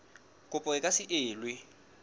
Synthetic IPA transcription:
kʼʊpʼɔɪkʼasɪʔɪːlwɪ

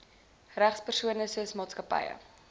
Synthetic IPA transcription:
ræχspərsuənəsuəsmɑːtskəpə̰jə̰

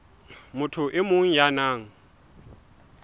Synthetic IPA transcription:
mʊtʰʊʔɪmʊŋ̩janaːŋ̩

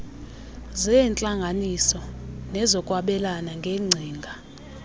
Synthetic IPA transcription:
zɛnt͡ɬʼaŋɡʱanisɔnɛzɔkʼwaɓɛlanaŋɡʱeŋ͡ǀʱiːŋɡʱa

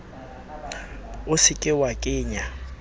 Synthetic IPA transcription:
ʊsɪkʼɪwakʼɪːɲa

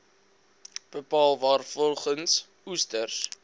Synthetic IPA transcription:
b̥əpɑːlˠvɑːrfɔlˠχəns | ustərs

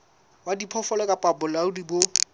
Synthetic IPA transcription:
wadipʰɔfɔlɛkʼapʼabʊlaʊdibo

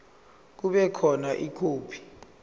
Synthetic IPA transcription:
k̬uɓɛkʰɔnaʔikʰoːpʰi̥

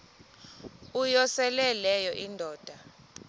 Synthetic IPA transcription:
ujɔsɛlɛlɛjɔʔindʱɔːd̥ʱa

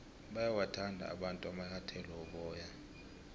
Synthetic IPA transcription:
ɓajawatʰandʱa̰a̰ɓantʼuamahatʰɛlɔɔɓɔːja

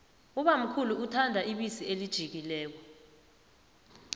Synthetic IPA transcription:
uɓam̩kʰuluutʰandʱaʔiɓisielid̥ʒ̥ʱik̬ilɛːk̬ɔ

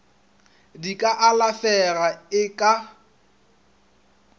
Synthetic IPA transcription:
dikʼaʔalafɛraɪkʼa

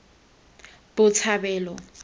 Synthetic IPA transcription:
b̥ʊt͡sʰabɛːlɔ

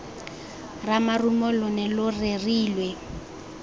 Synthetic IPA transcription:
ramarumɔlʊnɛlʊreriːlwɛ

